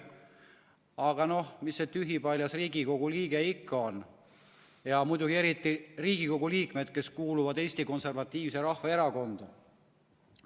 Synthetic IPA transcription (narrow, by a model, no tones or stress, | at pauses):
ɑɡ̥ɑno̞hmisːet̪yɦipɑlʲjɑsriːɡiko̞ɡ̥uliːɡ̥e̞ikːɑo̞n | jɑmujd̪uɡ̥ie̞ɾit̪ːˑiriːɡiko̞ɡuliːkme̞d̪̥ke̞skuːluvɑd̪e̞ːsʲt̪iko̞nse̞rvɑt̪ːˑiːvseɾɑhvɑe̞ɾɑko̞nd̪̥ɑ